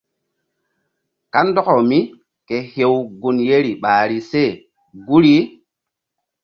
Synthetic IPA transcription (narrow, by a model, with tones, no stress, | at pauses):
ka˦ndɔ˦ko˨mi˦ | ke˨he˨wɡu˨nje˦ɾi˨ɓaː˨ɾi˨se˦˨ | ɡu˦ɾi˦